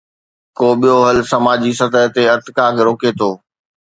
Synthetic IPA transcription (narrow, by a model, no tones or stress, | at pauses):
koːɓijoɦɐlsɐmaːd͡ʑiːsɐt̪əɦt̪eɐt̪ɪkaːkɾoːket̪ʰoː